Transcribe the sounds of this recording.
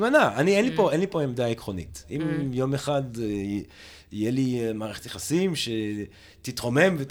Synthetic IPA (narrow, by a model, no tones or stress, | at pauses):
manaanienlipo̞enlipo̞emdaikʁo̞nḭtimjo̞meχad | ijelimaːʁeχet̪jeχasimʃe | t̪it̪ʁo̞me̞mvet